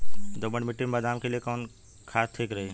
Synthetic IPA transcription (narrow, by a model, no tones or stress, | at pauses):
d̪obəɳmiʈimbəd̪aːmkelijekɔːn | kʰaːst̪ʰeːkɾəɦe